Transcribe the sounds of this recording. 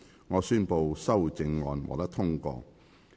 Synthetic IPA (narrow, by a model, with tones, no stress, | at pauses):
ŋɔː˨˧syː˥npo˧wsɐ˥wt͡sɪ˧ŋːɔ̰ː˨nwɔ̰˨˩t̪ɐ˥k̚t̪ʰʊ˥ŋkɔ̰ː˧